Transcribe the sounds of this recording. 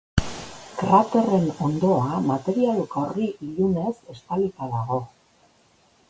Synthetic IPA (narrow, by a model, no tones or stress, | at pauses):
kɾat̪e̞re̞no̞nd̪o̞amat̪e̞ɾialukaoriʔiʎune̞se̞st̪alit̪aðaɣo̞